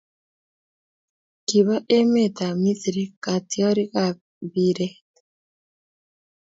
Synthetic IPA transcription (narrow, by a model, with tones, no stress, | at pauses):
ki˨βa˦ʔe˦me˦˨t̪a˨mi˦θi˨ɾi˦ka˨tjɔ˦ɾi˦ka˨ | biɾɛt